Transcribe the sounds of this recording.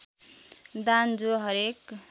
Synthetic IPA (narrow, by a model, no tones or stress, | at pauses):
d̪and͡zoɦʌɾek